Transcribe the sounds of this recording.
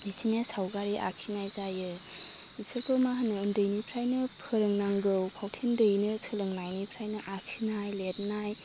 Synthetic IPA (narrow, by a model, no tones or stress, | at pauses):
nisʰinasawɡaɾiʔa̰k̚sʰinajzajɯ | isʰɯɾkʰowmaɦanɯɯndɯjnipʰɾajnɯpʰɯɾɯŋnaŋɡɯwpʰawtʰendɯjnɯsʰɯlɯŋnajnipʰɾajnɯʔak̚sʰinajlet̚naj